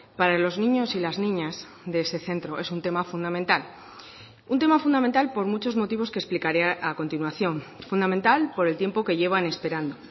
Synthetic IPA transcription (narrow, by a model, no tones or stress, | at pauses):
paɾalo̞znĩɲo̞silaznĩɲaz | ðeese̞θe̞nt̪ɾo̞ʔe̞sunt̪e̞mafund̪ament̪al | unt̪emafund̪amẽnt̪alpo̞ɾmut͡ʃo̞zmo̞t̪iβo̞skesplikaɾeʔako̞nt̪inwaθjo̞ɱfund̪ament̪alpo̞ɾe̞lt̪je̞mpo̞ke̞ʝe̞βane̞spe̞ɾand̪o